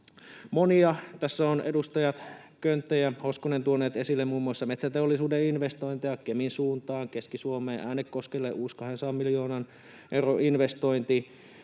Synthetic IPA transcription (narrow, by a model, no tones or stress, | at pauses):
moniɑt̪æsːæonḛdust̪ɑjɑt̪ | kønt̪ːæjæhoskonent̪uonːˑeːt̪esilːemuːmːuɑsːɑmet̪sæt̪eolːisuːdeinʋest̪o̞jnt̪ejɑkeminsuːnt̪ɑːŋkeskisuomeːʔæːnekkːoskelːeːʔuːskɑɦensɑːmmiljoːnɑn | ʔewroʔinʋest̪ojnt̪i